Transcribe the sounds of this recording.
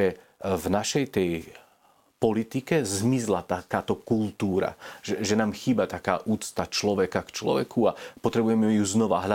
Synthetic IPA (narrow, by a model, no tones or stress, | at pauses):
ɛ | vnaʃɛjt̪ɛj | pɔlit̪ikɛzmizlat̪akaːt̪ɔkult̪uːɾa̰ʒɛʒɛnaːmxiːbat̪aka̰ːʔuːt͡st̪at͡ʃlɔʋɛkakt͡ʃlɔ̰ʋɛ̰kʰuapɔt̪ɾɛbujɛmɛjuznɔʋa̰ɦla